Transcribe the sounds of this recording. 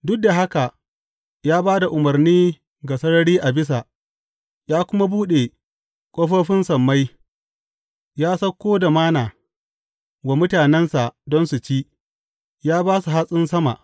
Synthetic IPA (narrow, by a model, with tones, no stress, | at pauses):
dʊ˦k̚da˨ɦa˦ka˨ | jaː˦baː˦da˨ʔʊ˨mɐ˨rniː˦ | ɡa˨sɐ˦ɽɐ˦ɽiː˦ʔa˨bɪ˦s̬a˨ | jaː˦kʷʊ˦ma˦buː˦ɗe˨ | kʷʼoː˦ɸoː˦ɸɪ˦nsɐ˨mːa˦j | jaː˦sɐ˦kʷːoː˦da˨maː˦naː˨ | wa˨mʊ˦taː˨nɛ˦nsa˨dɔ˦nsu˨t͡ʃiː˦ | jaː˦baː˦su˨ɦa˦sʼɪ˦nsɐ˦ma̰˨ʔ